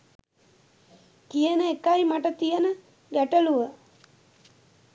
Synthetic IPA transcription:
k̪ijənəekajmaʈət̪ijənə | ɡæʈəluʋə

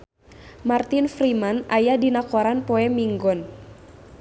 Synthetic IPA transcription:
mart̪infɾimana̰jadinakoɾanpɔɛmiŋɡɔn

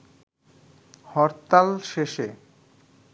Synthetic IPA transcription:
hɔɾt̪alʃeʃe

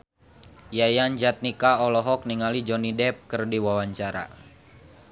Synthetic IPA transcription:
jajand͡ʒat̪̚nikaɔlɔɦɔk̚niŋalid͡ʒɔnidɛp̚kɨrdiwawaɲt͡ʃaɾa̰

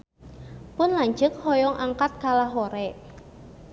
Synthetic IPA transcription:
pʊnlaɲd͡ʒɨk̚hɔjɔŋʔaŋkat̪̚kalaɦoɾɛ

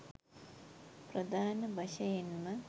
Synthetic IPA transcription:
prɐd̪ʱaːnɐbʱɐɕɐjɐnmɐ

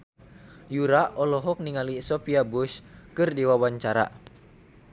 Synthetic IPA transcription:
juɾaʔɔlɔɦɔk̚niŋalisɔpiabuskɨrdiwawaɲt͡ʃaɾa̰

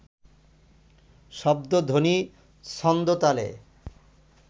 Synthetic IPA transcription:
ʃɔb̚d̪od̪ʱoni | sɔnd̪ot̪alḛ

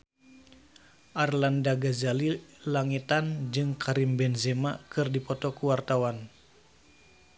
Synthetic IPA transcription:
ʔarlandaɡazalilaŋit̪and͡ʒɨŋkʰaɾimbɛnzemakɨrdipɔt̪ɔkuwart̪awan

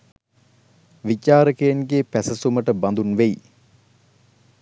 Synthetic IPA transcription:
ʋicaːɾəkejənɡeːpæsəsuməʈəband̪unʋej

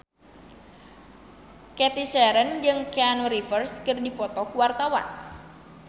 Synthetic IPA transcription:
kɛt̪iʃɛɾənd͡ʒɨŋkeanoɾifərskɨrdifɔt̪ɔkuwart̪awa̰n

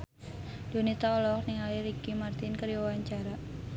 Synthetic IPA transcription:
d̥onit̪aɔlɔk̚niŋaliɾikimart̪ɪnkəɾiwawaɲt͡ʃaɾa

